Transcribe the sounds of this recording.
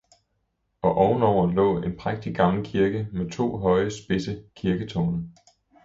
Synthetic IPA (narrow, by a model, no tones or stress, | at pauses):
ɒ̽ʔɒʊn̩ɒʊ̰ɐlɔ̰̽ːe̝npʰʁaɡ̥̚d̥iɡ̥ɑ̈ŋlkʰiɐɡ̥əmet͡sʰo̝̰ːɦɒ̽ɪəsb̥e̝səkʰiɐɡ̥ət͡sʰɔːnə